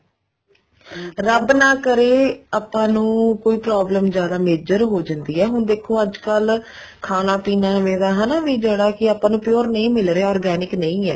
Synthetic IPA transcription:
ɾəbnaːkəɾeːaːpːãːnũːkoːiːpɾaːbləmd͡ʒjaːd̪aːmeːd͡ʒəɾɦoːd͡ʒãnd̪iːɛːɦʊnd̪eːkʰoːəd͡ʒkəl | kʰaːnaːpiːnaːʋẽːd̪aːɦɛnaːʋiːd͡ʒəɽaːkɪaːpãːnũːpjoːɾnəĩːmɪlɾeːaɔːɾɡɛːnɪknəĩːɛː

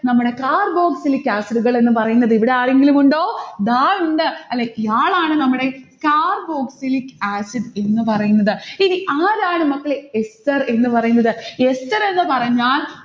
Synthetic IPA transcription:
nɐmːuɽe̞kaːrbo̞ːksilikʲːaːsiɖuɣɐɭe̞nːɨpɐrɐjunːɐðɨiʋiɽe̞aːɭe̞ŋɡilumuɳɖo̞ːd̪aːɭuɳɖɨɐlːeijaːɭaːɳɨnɐmːuɽe̞kaːrbo̞ːksilikːaːsiɖe̞nːɨpɐrɐjunːɐðɨiniʔaːɾaːɳɨmɐkːɐɭeestɐre̞nːɨpɐrɐjunːɐðɨe̞stɐɾe̞nːɨpɐrɐɲːaːl

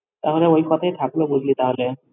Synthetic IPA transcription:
t̪aɦoleojkɔt̪ʰajt̪ʰaklobud͡ʑlit̪aɦole

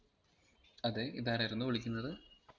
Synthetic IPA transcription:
ɐðe̞iðaːɾajiɾunːuʋoɭikʲːunːɐðɨ

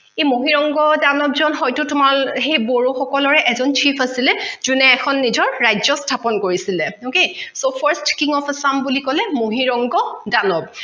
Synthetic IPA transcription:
ejmoɦiɹɔŋɡɔdanɔbzɔnɦɔjtʊtʊmalɦejboɹuxɔkɔlɔɹɛʔɛzɔnt͡ʃʰipʰasilɛzunɛːkʰɔnːizɔɹːajzɔstʰapɔnkoɹisilɛokesopʰaɹstkiŋɔpsambulikɔlɛmoɦiɹɔŋɡɔdanɔb̚

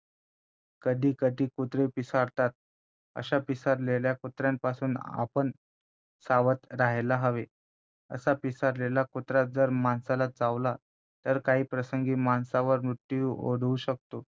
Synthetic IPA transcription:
kəd̪ʱiːkəd̪ʱiːkut̪ɾepisaɾt̪at̪̚ | ə̰ɕapisaɾleljakut̪ɾjampasuːna̰pəɳ | saʋət̪ɾaɦlaɦəʋe | ə̰sapisaɾlelakut̪ɾat̪̚d͡zəɾmansalad͡zaʋla | t̪əɾkaɦiːpɾəsəŋɡiːmansaʋəɾmɾut̪ːio̰ɽuɕək̚t̪o

